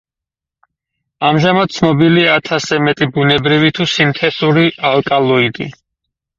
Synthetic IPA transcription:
amʒamad̪̚t̪sʰnɔbiliaːt̪ʰasɛmɛt̪ʼibunɛbɾivit̪ʰusint̪ʰɛsuɾiʔalˠkʼalˠɔid̪i

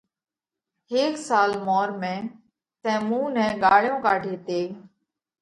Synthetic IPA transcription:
ɦeːksaːlmɔːɾmẽː | sɛ̃ːmũːnɛ̃ːɠaːɭjõːkaːɖʱeːt̪eː

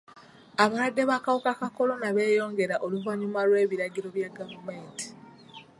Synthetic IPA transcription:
aβawadːe̞βakawokakako̞lo̞naβe̞ːjo̞ːŋɡe̞ɾaʔo̞luvaɲumalwe̞ːβiɾaɟiɾo̞βjaɡavume̞ːnti̥

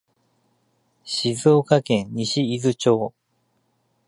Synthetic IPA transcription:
ɕizoːkakẽ̞ɲɲiɕiːzɨt͡ɕo̞ː

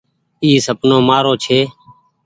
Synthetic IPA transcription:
iːsəpnõːmaːɾoːt͡ʃʰeː

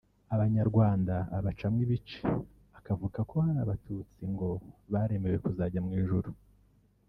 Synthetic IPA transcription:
aβaɲaɾɡwaːndaːβat͡ʃamŋiβit͡ʃe̥ | akavukako̞haɾaβatʰut͡siŋɡo̞βaɾe̞me̞we̞kuzaɟamŋiːʒuɾu

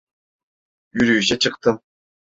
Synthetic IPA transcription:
yɾʲyːɕet͡ɕɯ̆q̚t̪ɯm

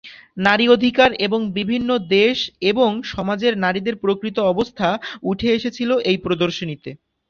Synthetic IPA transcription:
naɾiod̪ʱikaɾeboŋbibʱinːod̪eʃeboŋʃɔmad͡ʑeɾnaɾid̪eɾpɾokɾit̪oɔbost̪ʰauʈʰeeʃet͡ɕʰiloʔejpɾod̪oɾʃonit̪e

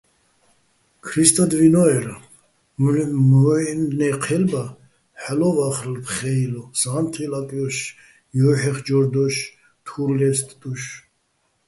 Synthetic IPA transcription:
kʰɾist̪ʼad̪vinɔɛɾa | mnnɛqʰɛlba | ħɛlɔvaχɾlpʰχɛjlɔsant̪ʰilakʼjɔʃ | jɔːħɛχd͡ʒɔɾd̪ɔʃ | t̪ʰuɾlɛst̪ʼd̪ʼuʃ

